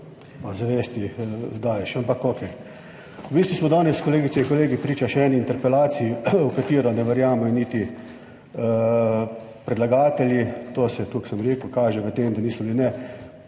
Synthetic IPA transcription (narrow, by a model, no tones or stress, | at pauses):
pazaʋeːst̪id̪aːjɛʃampɐkoːkɛ | ʋiːst̪ismɔd̪ɔːnɛskɔleːɡit̪seiŋkɔleːɡipɾiːt͡ʃaʃɛɛniːnt̪ɛɾpɛlaːt̪siiukat̪iːɾɔnɛʋɛɾjaːmɛjɔnit̪i | ə | pɾɛd̪laɡaːt̪ɛljit̪oːsɛt̪uksəmɾeːkuʊkaːʒɛʋət̪eːmd̪aniːsɔblinɛ